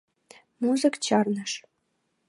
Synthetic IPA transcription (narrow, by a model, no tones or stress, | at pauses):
muzə̆kt͡ɕɑrnə̆ʂ